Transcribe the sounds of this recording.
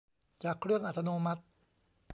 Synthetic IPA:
t͡ɕaː˨˩kʰɾɯ˥˩əŋʔa˨t̪ʰːa˧noː˧ma˦˥t̪̚

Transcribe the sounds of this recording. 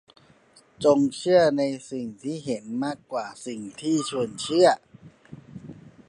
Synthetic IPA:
t͡ɕo˧ŋt͡ɕʰɯ˥˩ɐna˧jsi˨˩ŋt̪ʰiː˥˩ɦe˩˦nmaː˥˩kːwaː˨˩si˨˩ŋt̪ʰiː˥˩t͡ɕʰu˧ənt͡ɕʰɯ˥˩ɐə

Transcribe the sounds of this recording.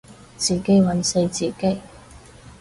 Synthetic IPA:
t͡siː˨˩ke˥jwɐ˨˥nse˧jt͡siː˨˩ke˥j

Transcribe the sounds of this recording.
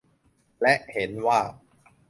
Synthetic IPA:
lɛ˦˥ʔhe˩˦nwaː˥˩

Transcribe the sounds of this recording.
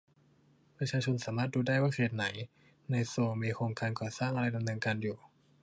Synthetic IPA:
pɾa˧t͡ɕʰaː˧t͡ɕʰo˧nsaː˩˦maː˥˩t̪̚duː˧daː˥˩jwaː˥˩sʰeː˨˩t̪̚na˩˦j | na˧jsoː˧˩miː˧kʰoː˧ŋkaː˧nkɔː˨˩saː˥˩ŋʔa˧ɾa˧jda˧mnɤː˧ŋka˧njuː˨˩

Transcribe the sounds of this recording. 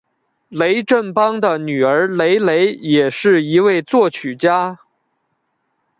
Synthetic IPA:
le˧˥ɪʈ͡ʂə˥˩npɑ˥ŋd̪ə˨ny˨˩ə˞˧˥le˧˥ɪle˧˥ɪjɛ˨˩ʂɻ̩˥˩i˧˥we˥˧ɪt͡swɔ˥˩t͡ɕʰy˨˩t͡ɕja˥

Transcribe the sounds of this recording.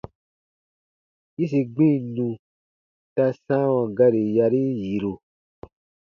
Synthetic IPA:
ji˦s̬i˧ɡ͡bĩ˦˨nũ˧ | ta˧sã˦wã˨ɡa˧ɾi˨ja˧ɾi˦ji˨ɾo˧

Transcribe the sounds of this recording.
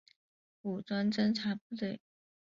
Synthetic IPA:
u˨˩t͡swa˥nʈ͡ʂə˥nʈ͡ʂʰa˧˥pu˥t̪we˥˩ɪ

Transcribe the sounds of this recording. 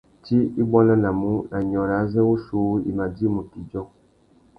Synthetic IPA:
ti˦i˦bɔ˦na˦na˨mu˦na˨ɲɔ˨ɾa˨˦zɛ˦wu˦su˦ḭ˨ma˨di˦mu˨ti˨d͡ʒɔ˦

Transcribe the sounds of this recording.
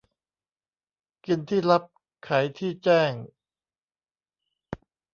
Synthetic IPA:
ki˧nt̪ʰiː˥˩la˦˥p̚ | kʰa˩˦jt̪ʰiː˥˩t͡ɕɛː˥˩ŋ

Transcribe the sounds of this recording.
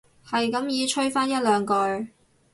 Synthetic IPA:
hɐ˨jkɐ˨˥mjiː˨˧t͡ʃʰɵ˥ɥfaː˥njɐ˥t̚lœː˨˧ŋkɔː˧j

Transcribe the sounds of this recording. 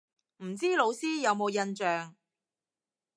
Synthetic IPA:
m̩˨˩t͡siː˥lo˨˧wsiː˥jɐ˨˧wmo˨˧wjɐ˧nt͡ʃœː˨ŋ

